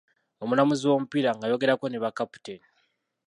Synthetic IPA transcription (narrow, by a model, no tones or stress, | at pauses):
o̞mulamuziwo̞mupiɾaŋɡajo̞ɡe̞ɾakoneβakapu̥teni